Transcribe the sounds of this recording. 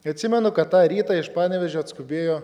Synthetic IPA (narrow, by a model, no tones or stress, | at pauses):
ɐt̪ʲsʲɪmʲɛnʊkɐt̪ːɑːɾʲiːt̪ɑɪʃpɑːnʲɛʋʲɛʒʲoːɐt̪skʊbʲeːjoː